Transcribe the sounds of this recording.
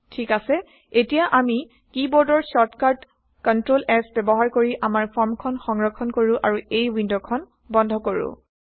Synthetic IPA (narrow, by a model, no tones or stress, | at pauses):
tʰikasɛ | etijaʔami | kibɔɹdɔɹsɔtkaɹd | kɔntɹolɛsbɛbɔɦaɹkoɹiʔamaɹpʰɔɹmkʰɔnxɔŋɹɔkʰːɔnkoɹʊ̃ʔaɹuejwindokʰɔn | bɔndʱɔkoɹṵ̃